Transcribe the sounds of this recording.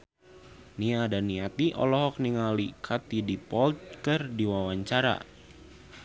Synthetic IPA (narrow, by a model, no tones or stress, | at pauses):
niadaniat̪iʔɔ̰lɔɦɔk̚niŋalikʰat̪idipɔlt̪̚kɨrdiwawaɲt͡ʃaɾa̰